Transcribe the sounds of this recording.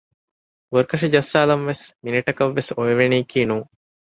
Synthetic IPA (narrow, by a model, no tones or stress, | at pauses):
ʋəɾkɐʂɐd͡ʒɐsːaːlɐmʋesminiʈɐkɐʋːesojɐʋeniːkiːnuː